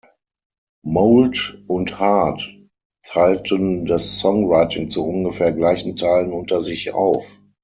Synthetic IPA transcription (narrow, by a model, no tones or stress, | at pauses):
moʊltʔʊnthaɐtʰ | aɪltʰəndasːɔŋʁaɪtɪŋt͡suʔʊnɡəfɛːɐɡlaɪçn̩tʰaɪlənʊntɐzɪça̰ʊf